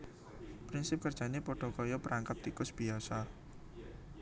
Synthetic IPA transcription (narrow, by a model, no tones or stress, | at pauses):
pɾɪnsɪp̚kərd̥ʒ̥a̤nepoɖ̥ɔ̤kɔjɔpəɾaŋkap̚t̪ikʊsb̥iasa